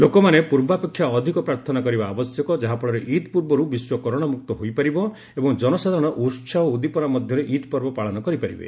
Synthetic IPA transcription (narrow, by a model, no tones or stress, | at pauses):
lokɔmanepuɾbapekʰːjaɔd̪ʱikɔpɾaɾt̪ʰɔnakɔɾibaːbɔsjɔkɔd͡ʒaɦapɔɭɔɾeʔit̪puɾbɔɾubiswɔkɔɾɔɽ̃amuk̚t̪ɔɦojpaɾibɔ | ebɔŋd͡ʒɔnɔsad̪ʱaɾɔɽ̃ɔʔuɾt͡ʃʰaoud̪ipɔɾamɔd̪ʱjɔɾeʔit̪pɔɾbɔpaɭɔnɔkɔɾipaɾḭbḛ